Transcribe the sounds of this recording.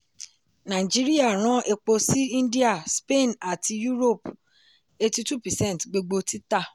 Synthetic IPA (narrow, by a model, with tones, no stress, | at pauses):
nã˨i˨d͡ʒi˦ɾi˦a˦˨ɾ̃ɔ̃˨˦ʔe˧k͡po˧si˦ĩ˦n˦di˦a˨spe˦˨na˨ti˧ju˦ɾo˦˨p | e˦ti˦tu˦˨pɛ˨sɛ̃˦n˨tɡ͡bo˧ɡ͡bo˧tʰi˦ta˦˨